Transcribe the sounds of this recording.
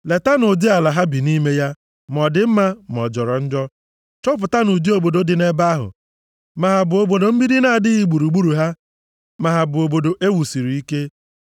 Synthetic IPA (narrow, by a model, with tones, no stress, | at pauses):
le˨ta˦nʊ˨di˦a˨la˨ɦa˦bi˨ni˦me˦ja˦ | m˨ɔ˨dɪ˦m̩˦ma˦m˨ɔ˨d͡ʒɔ˨ɾɔ˨n̩˦d͡ʒɔ˦ | t͡ʃɔ˦p̬ʊ˨ta˦nu˨di˦o˨bo˨do˦dɪ˨ne˦ba˦ɦʊ̰˨ | ma˨ɦa˨bʊ˨o˨bo˨do˨m̩˦bi˦ɾi˦na˦˨dɪ˦ɣi˨ɡ͡bu˨ɾu˨ɡ͡bu˦ɾu˨ɦa˦ | ma˨ɦa˨bʊ˨o˨bo˨do˨ʔe˦wu˨si˨ɾi˨i˦ke˦